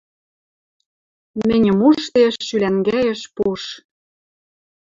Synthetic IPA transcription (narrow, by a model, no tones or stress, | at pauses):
mɘ̆nʲɘ̆muʃt̪eʃːylæŋɡæjĕʃpuʃ